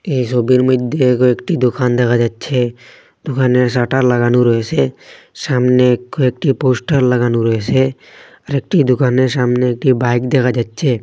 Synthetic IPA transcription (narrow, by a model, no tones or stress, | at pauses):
eisobiɾmɪd̪ekoekʈid̪ʊkʰaːnd̪ekʰad͡ʒaːtːt͡ʃʰe | d̪̥ʊkʰanes̬aʈaɾləɡanuɾɔet͡ʃʰe | saːmnekːoek̚ʈipoːsʈəɾləɡaːnuɾɔɦet͡ʃʰe | əɾek̚ʈid̪ʊkʰaːnesaːmneːk̚ʈibaɪkd̪ekʰad͡ʒat̪ːt͡ʃʰe